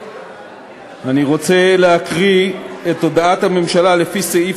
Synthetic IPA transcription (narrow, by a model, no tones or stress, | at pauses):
aniʁo̞t͡se̞leɦakʁietːo̞daathame̞mʃalale̞fisei